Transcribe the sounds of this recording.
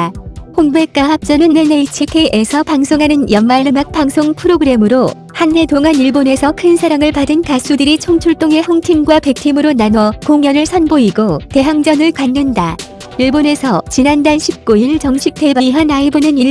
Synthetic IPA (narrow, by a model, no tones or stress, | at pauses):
hoŋbe̞k͈aɦap̚t͡ɕ͈ʌnɯneneit͡ɕʰikʰeʔesʰʌpaŋsʰoŋɦanɯnjʌnmaɭːɯmak̚p͈aŋsʰoŋpʰɯɾoɡɯɾe̞mɯɾo | hanːe̞toŋɦaniɭbone̞sʰʌkʰɯnsʰaɾaŋɯɭpadɯnkas͈udɯɾit͡ɕʰoŋt͡ɕʰuɭt͈oŋe̞hʌŋtʰiŋɡwape̞k̚tʰimɯɾonanwʌkoŋjʌnɯɭsʰʌnboiɡote̞ɦaŋd͡ʑʌnɯɭkwanːɯnda | iɭbone̞sʰʌt͡ɕinandanɕʰip̚k͈uiɭt͡ɕʌŋɕʰik̚tʰe̞baiɦanaibɯnɯni